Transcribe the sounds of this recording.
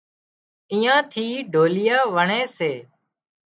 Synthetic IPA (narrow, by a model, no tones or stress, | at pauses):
iːãːt̪ʰiːɖʱoːlɪjaːʋəɳẽːseː